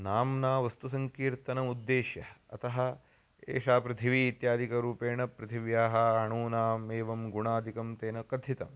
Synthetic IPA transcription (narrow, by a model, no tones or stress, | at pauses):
naːmnaːʋɐst̪usɐŋkiːɾt̪ɐnɐmud̪ːeːʃjɐɐ̰t̪ɐɦɐ̆ | ḛːʂaːpɾɐt̪ʰiʋiːt̪jaːd̪ʱikɐɾuːpeːɳɐpɾɐt̪ʰiʋjaːɦɐɦɐɳuːnaːmeːʋɐmɡuɳaːd̪ʱikɐmt̪eːnɐkɐd̪ʱit̪ɐm